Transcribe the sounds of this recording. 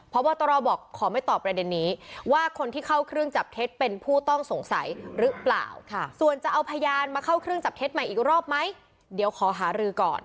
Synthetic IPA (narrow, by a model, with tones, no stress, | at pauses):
pʰɔ˦˥bɔː˧t̪ɔː˧ɾɔː˧bɔː˨˩kʰːɔː˩˦ma˥˩jt̪ɔː˨˩pːɾa˧de˧nːiː˦˥waː˥˩kʰo˧nt̪ʰiː˥˩kʰa˥˩wkʰɾɯ˥˩əŋt͡ɕa˨˩p̚t̪ʰe˦˥t̪̚pe˧npʰuː˥˩t̪ɔ˥˩ŋso˩˦ŋsa̰˨˩˦jɾɯ˦˥pla̰ː˨˩wʰsu˨˩ənt͡ɕa˨˩ʔa˧wpʰa˧jaː˧nmaː˧kʰa˥˩wkʰɾɯ˥əŋt͡ɕa˨˩p̚t̪e˦˥t̪̚ma˨˩jʔiː˨˩k̚ɾɔː˥˩p̚ma˦˥j | di˨˩˦əwkʰɔː˩˦ɦaː˩˦ɾɯː˧kɔ̰ː˨˩n